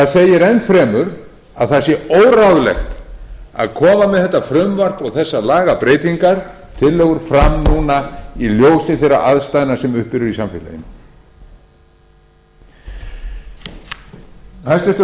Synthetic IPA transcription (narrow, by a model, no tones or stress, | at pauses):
θaðseːjɪɾɛnfɾɛːmʏɾ | aðθaɾsjɛoːwɾawɣlɛ̰xt̪a̰ðkʰɔːmamɛðθɛht̪ːafɾʏmvar̥t̪ɔɣθɛsːalaːɣapɾeːjt̪iŋkaɾ̥t̪ʰɪlːɛːɣʏɾ̥fɾamnuːnailjoːwsɪθejrːa̰ʔaðst̪ajnasɛmʏhpɪɾʏɾisamfɪ̰lḛjɪ̰n | hasɛft̪ʏ